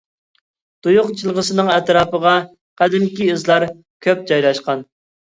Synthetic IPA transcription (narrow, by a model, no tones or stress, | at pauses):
d̪̥ujʊqt͡ʃʰilˠʁəsɨnɨŋɛt̪ɾɑːpəʁɑ | qʰæd̪ɪmkʲiɨzlˠɑɾ | kʲʰøp̚d͡ʒɑjlˠɑʃqɑn